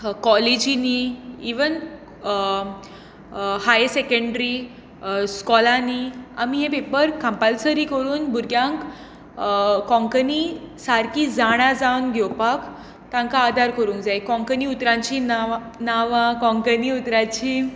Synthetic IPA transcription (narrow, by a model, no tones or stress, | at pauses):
kɔled͡ʑiniḭʋən | hajsekəɳɖɾi | skɔlania̰miɦẽpepəɾkãmpalsəɾiːkəɽuːnbʱuɾɡjãŋk | kɔ̃ŋkənisaɾkid͡zaɽ̃ad͡zawnɡʱewpak | t̪ãŋkaːd̪ʱaɾkəɾũŋkd͡zajkɔ̃ŋkəniut̪ɾãɲt͡ɕin | naʋakɔ̃ŋkəniut̪ɾat͡ɕiː